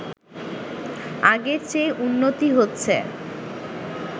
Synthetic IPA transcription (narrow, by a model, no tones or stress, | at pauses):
aɡeɾt͡ɕeʔunːot̪iɦotːɕʰe